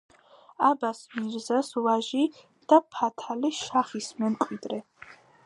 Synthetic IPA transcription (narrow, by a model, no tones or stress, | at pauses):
abasmiɾzaswaʒi | d̪̥apʰat̪ʰaliʃaχismɛmkʼwid̪ɾɛ